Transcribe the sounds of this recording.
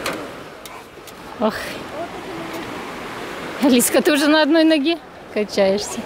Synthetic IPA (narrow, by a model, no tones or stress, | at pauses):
ox | ɐlʲisʲkət̪uʐɨnəɐd̪no̞jnɐɡʲe | kɐnʲt͡ɕæjɪʂsʲə